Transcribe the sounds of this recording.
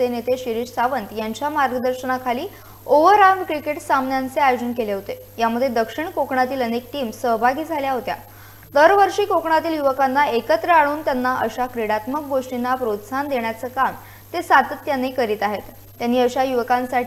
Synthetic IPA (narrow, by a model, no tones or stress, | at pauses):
senet̪eɕiɾiːɕsaʋənt̪jaɲt͡ɕjamaɾɡəd̪əɾɕənakʰaliː | oʋəɾamkɾikeʈsamnjant͡seajod͡ʑənkeleɦot̪e | jaməd̪ʱːjed̪əkʂiɳkokɳat̪iːlənek̚ʈiːmsəɦbʱaɡiːd͡zʱaljaɦot̪ja̰ | d̪əɾʋəɾʂiːkokɳat̪iːljuʋəkanːaekət̪ɾəaɭ̃uːnt̪janːaʔəɕakɾeɽat̪mək̚ɡoʂʈinːapɾot̪sand̪eɳ̃jat͡səːkam | t̪esat̪ət̪janːikəɾiːt̪aɦet̪ːjanːiːəɕajuʋəkãnsaʈʰ